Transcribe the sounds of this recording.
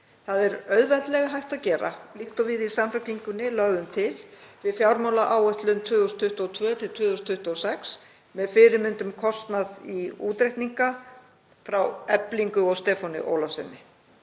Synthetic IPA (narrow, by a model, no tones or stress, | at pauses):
θaðɛɾœɥðvɛt̪lɛɣaɦajht̪aðcɛːɾa̰liht̪ɔvɪðisamfœkliŋkʏnːɪlœɣðʏmt̪ʰɪlvɪðfjawɾmawlaʔaːwœht̪lʏnt̪ʰʏːðʏst̪ʰʏht̪ːɔt̪ʰvœːt̪ʰɪlt̪ʰʏːðʏst̪ʰʏht̪ɔsɛks | mɛðfɪɾɪɾmʏnt̪ʏmkʰɔst̪naðiṵːt̪ɾejht̪niŋka | fɾawɛpliŋkʏɔɣst̪ɛːfɔnɪ̰ʔo̰ːwlɔfsɛ̰nːɪ